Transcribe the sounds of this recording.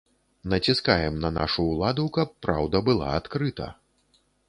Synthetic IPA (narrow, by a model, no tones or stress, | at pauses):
nɐt͡sʲiskajɛmnɐna̰ʂuːlˠad̪ukɐpːɾawd̪ɐbɨlˠa̰at̪kɾɨt̪ɐ̰